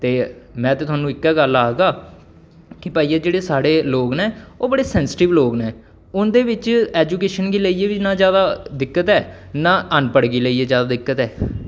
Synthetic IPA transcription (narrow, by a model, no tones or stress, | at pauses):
t̪eːmɛ̃ːt̪eːt̪ʊaːnũːɪkːɛːɡəlaːɦɡaː | kɪpaːiːɛːd͡ʒeːɽeːsaːɽeːloːkneːoːbəɽeːsɛ̃ːnsɪ̥ʈɪʋloːknẽː | ʊnd̪eːʋɪt͡ʃɛːd͡ʒuːkeːʃənɡiːləiːeːʋiːnãːzjaːd̪aːd̪ɪkːət̪ɛːnãːʔənpəɽɡiːləiːeːzjaːd̪aːd̪ɪkːət̪ɛː